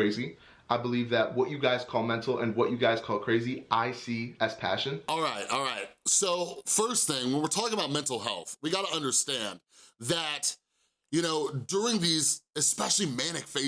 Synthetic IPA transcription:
eɪzi | ʔaɪbəlivðɨt̚wʌt͡ʃɨɡaɪz̥kʰɔlˠmɛ̃ntʰˡl̩ˠɨ̰̃nwʌt͡ʃɨɡaɪz̥kʰɔlˠkʰɹ̥eɪziʔaɪsiɨz̥pʰæ̰ʃɨ̃nɔlˠɹaɪt̚ɔ̰lˠɹaɪt̚soʊfɜ˞sθɪ̃ŋwə̃nwɨɹtʰɔkɪ̃ŋəbaʊt̚mɛ̃ntˡl̩ˠɦɛ̰lˠθwiɡɑɾəʌ̃ndə˞stæ̃n | ðɨt | jɨɾ̃oʊdʊɹɪ̃ŋðizɨspɛʃl̩ˠimæñɨkfeɪ

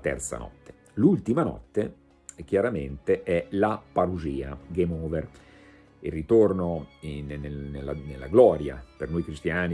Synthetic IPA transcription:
t̪ɛ̰rt̪sa̰nɔ̰t̪ːe̥ | lult̪imanɔ̰t̪ːe | k̟jaɾament̪eʔɛlapaɾuziːa̰ɡemoːver | irːit̪ornonenenelːanelːaɡlɔːɾja̰pernojkɾist̪jaːni

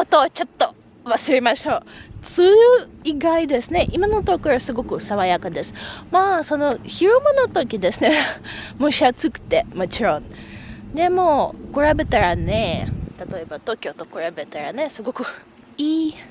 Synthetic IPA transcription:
ot̪o̞ːt͡ɕo̞t̪ːo̞ | βasɨɾemaɕo̞ːt͡sɨːiɡaid̪e̞sɨne̞ʔimano̞t̪okɯɾasɨɡo̞kɯ̟saβajakad̪e̞sɨ̥maːso̞no̞çiɾɯmonot̪okʲid̪e̞sɨne̞moɕiat͡sɨkɯ̟̥t̪e̞mo̞t͡ɕiɾõ̞nd̪e̞mo̞ːkoɾabe̞t̪aɾane̞t̪at̪o̞e̞bat̪o̞ːkʲo̞t̪o̞koɾabe̞t̪aɾane̞sɨɡo̞kɯ̟ | iː

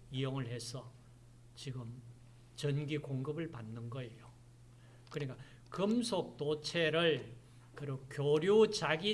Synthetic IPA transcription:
ijoŋɯɭhe̞sʰʌ | t͡ɕiɡɯm | t͡ɕʌnɡikoŋɡɯbɯɭpanːɯnɡʌejo | kɯɲik͈a | kɯmsʰok̚t͈ot͡ɕʰeɾɯɭ | kɯɾokjoɾjut͡ɕaɡi

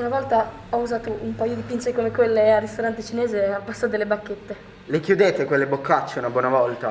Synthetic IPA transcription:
unavɔlt̪a | ɔuzaːt̪oʔumpajod̪ipint͡ʃekomekwelːearist̪oɾant̪et͡ʃinɛːzealpasːod̪elːebakːet̪ːe | lekjud̪eːt̪ekwelːebokːat͡ʃːeunabwɔːnavɔlt̪a

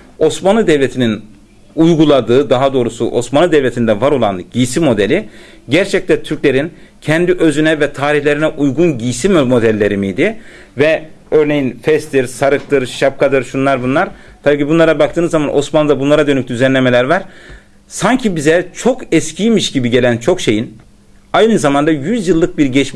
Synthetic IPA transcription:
o̞smanˠɯd̪ɛvlʲet̪ʰinin | ujɡulˠad̪ɯːd̪aɦad̪o̞ːɾusṵʔo̞smanˠɯd̪ɛvlʲet̪ʰind̪ɛvaɾo̞lˠa̰nɟijsimo̞d̪elʲi | ɟæɾt͡ʃʰɛc̚t̪ɛnt̪ʰyɾcʲlʲe̞ɾin | cʰɛnd̪iʔøzynɛvɛt̪ʰaːɾiçlʲe̞ɾinɛʔujɡunɟijsimmo̞d̪ælʲːe̞ɾimijd̪ɪ | vɛøɾne̞jinfɛst̪ʰiɾsaɾɯk̚t̪ɯɾʃap̚kʰad̪ɯɾʃunlˠaɾbunlˠaɾ | t̪ʰabiːcʰibunlˠaɾabak̚t̪ʰɯːnɯzːamanʔo̞smanˠɯd̪abunlˠaɾad̪ø̞nyc̚d̪yzænlʲe̞melʲæɾvaɾ̥ | saɲcʰibizɛt͡ʃʰo̞kɛscʰijmiʃɟibiɟe̞lʲænt͡ʃʰo̞kʃe̞jin | ajnɯɯzamand̪ajyzjɯlˠːɯk̚biɾɟɛt͡ʃ

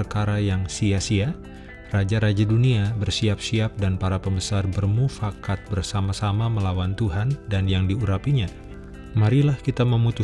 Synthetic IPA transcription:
rkaɾajaŋsiasia | rad͡ʒaɾad͡ʒaduniabərsiapsiap̚danpaɾapəmbəsarbərmufakat̪̚bərsamasamaməlawant̪uɦandanjaŋdiuɾapiɲa | maɾilahkit̪aməmut̪u

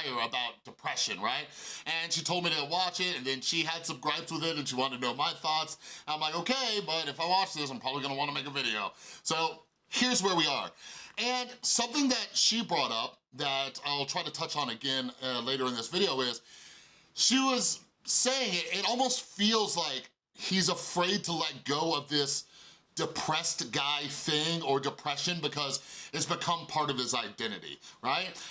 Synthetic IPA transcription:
ɪə˞ɨbaʊt̚d̥ɨpʰɹ̥ɛʃɨ̰̃nɹaɪt̚ɨ̃nʃitʰoʊlˠdmiɾɨwɑt͡ʃɪtɨ̃nðɨ̃nʃiɨd̥sɨbskɹaɪbswəðɪɾɨ̃nʃiwɑ̃ñtɨtnoʊmaɪθɔtsãɪ̃mlaɪkoʊkʰeɪbʌɾɨfaɪwɑt͡ʃðɪs̬ãɪ̃mpʰɑbəbliɡʌñəwɑ̃ñtəmeɪkɨvɪɾioʊsoʊ | hɪɹzwə˞wiə̰˞ɨ̃nsʌ̃mθɪ̃ŋðɨtʃibɹɔɾʌp̚ðɨɾaɪlˠtʰɹ̥aɪɾɨtʰʌt͡ʃn̩ɨɡɛ̃nleɪɾə˞ɨ̃nðɪsvɪɾioʊɪz̥ | ʃiwʌz̥ | seɪɪ̃ŋɪtɪɾɔlˠmoʊstfilˠzlaɪk | hizəfɹeɪd̚tʰəlɛt̚ɡ̥oʊʌvðɪs | d̥ɨpʰɹ̥ɛstɡ̥aɪθɪ̃ŋə˞dɨpʰɹ̥ɛʃɨ̃nbɨkʰʌzɨtsb̥ɨkʰʌ̃mpʰɑɹɾʌv̥ɨzaɪdɛ̃ɾ̃ɨ̰ɾḭɹaɪt̚

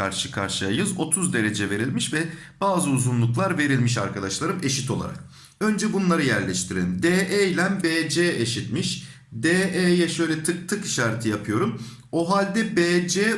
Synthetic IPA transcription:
a̰ɾʃɯkʰa̰ɾʃɯjajɯzo̞t̪ʰuzd̪e̞ɾe̞d͡ʒɛve̞ɾilʲmiʃvɛb̥aːzɯuzunlˠuklˠaɾve̞ɾilʲmiʃaɾkʰad̪aʃlˠaɾɯme̞ʃit̪ʰo̞lˠa̰ɾa̰k | ø̞nd͡ʒɛbunlˠaɾɯjæɾlʲɛʃt̪ʰiɾelʲimd̪eːʔejlʲænbeːd͡ʒeːeʃit̪miʃ | d̪eːʔejɛʃø̞jlʲɛt̪ʰɯk̚t̪ʰɯki̥ʃaːɾt̪ʰɯjapʰɯjo̞ɾum | o̞ɦalʲd̪ɛbeːd͡ʒeː

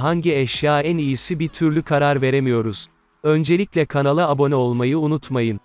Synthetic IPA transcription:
ɦaɲɟiɛʃjaːænijisibit̪ʰyɾlʲykʰaɾaɾve̞ɾemijo̞ɾuz̥ | ø̞nd͡ʒe̞lʲicʲlʲɛkʰanalˠɯabo̞nɛo̞lˠmajɯunut̪majɯn

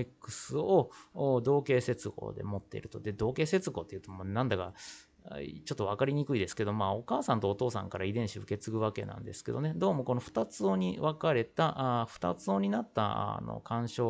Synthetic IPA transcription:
ekːɯ̟̥sɨo̞d̪o̞ːke̞ːse̞t͡sɨɡo̰ːd̪e̞̰mo̞t̪ːe̞̰ḭɾɯ̟t̪od̪e̞d̪o̞ːke̞ːse̞t͡sɨɡo̞ːt̪ːe̞iɯ̟ːt̪omonãnd̪aka̰ | t͡ɕo̞t̪ːo̞β̞akaɾʲiɲ̟ikɯ̟id̪e̞sɨ̥ke̞d̪o̞maːo̞kaːsãnt̪oːt̪o̞ːsã̰ŋkaɾaid̪ẽ̞ɰ̃ɕiɯ̟ke̞t͡sɨɡɯ̟βake̞nã̰nd̪e̞sɨ̥ke̞d̪o̞ned̪o̞ːmo̞ko̞no̞ɸɯ̟̥t̪at͡sɨoɲ̟iβakaɾe̞t̪aʔɸɯ̥t̪a̰t͡sɨoːɲ̟inat̪ːa̰no̞̰kãɰ̃ɕo̞ː

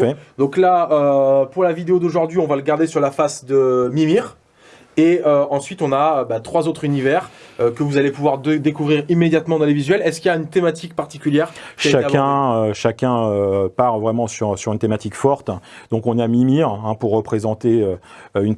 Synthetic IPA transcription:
fɛd̪ɔ̃klaøpuʁlavid̪eod̪oʒuʁd̪ɥiɔ̃valəɡaʁd̪esyʁlafasd̪əmimiʁ | eøɑ̃sɥit̪ɔ̃naøbɛt̪χwazot̪χynivɛʁøkəvuzalepuvwaʁd̪ekuvʁiʁimːed̪jat̪mɑ̃d̪ɑ̃levizɥɛlɛskʲiljaynt̪emat̪ik̚paʁt̪ikʲyljɛʁʃiɛaakɛ̃øʃakʲɛ̃øpaʁvʁɛmɑ̃syʁsyʁynt̪emat̪ikfɔʁt̪d̪̥ɔ̃kɔ̃namimiʁɛ̃puʁːəpχezɑ̃t̪eøøyn

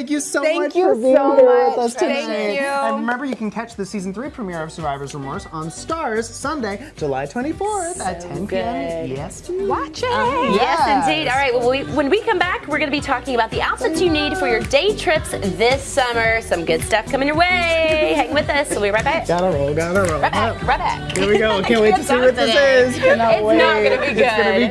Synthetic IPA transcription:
kjɨsoʊæ̃ŋt͡ʃkʰju | ðʌsʰɨæ̃ɪjʉɨ̃nɹɪmɛ̃mbə˞jɨkn̩kʰæt͡ʃðɨsizn̩θɹipʰɹ̥ɨmɪɹʌv̥sə˞vaɪvə˞zə˞mɔɹzn̩stɑɹz̥sʌ̃ndeɪ | d͡ʒəla̰ɪtʰw̥ɛ̃ɾ̃ifɔɹtʰɛ̃nɡjɛsʰwɑt͡ʃɪjɛsɨ̃ndidɔlˠɹaɪwɛlˠiwə̃nwikʰʌ̃mbækʰwɨɹɡʌnɨbitʰɔkɪ̃ŋɨbaʊt̪̚ðiʔaʊtsɨtsjɨnid̥fə˞jə˞deɪtʰɹ̥ɪpsðɪsʌmə˞sʌ̃mɡʊd̥stʌfkʰʌ̃mɪ̃ŋjə˞weɪhɛɾɪ̃ŋwɨðʌsowiə˞ɹaɪt̚b̥aɪɨt̚ɡ̥ɑɾəɹoʊlˠɡɑɾəɹoʊɛbækɹabæ̰khɨwiɡoʊkʰæ̃nwieɪtʰɨsiwʌt̪̚ðɪsɪznɪnɡʌnɨbiɡʊɡʌnɨdi

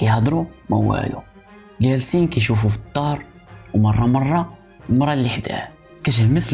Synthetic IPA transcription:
kæjhɑd̪ɾumə̰wːæ̰lṵ | ɡælsinkæjʃufufit̪ˤːɑɾˤ | wmɑrˤːɑmɑrˤːɑ | mɑɾˤːɑlːiħd̪æ̰h | kæʃhməs

